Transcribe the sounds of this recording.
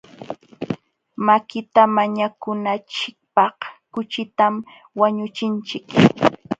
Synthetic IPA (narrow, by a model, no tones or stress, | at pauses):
makɪt̪amaɲakʊnat͡ʃɪk̚pɑhkʊt͡ʃɪt̪am | waɲʊt͡ʃɪnt͡ʃɪk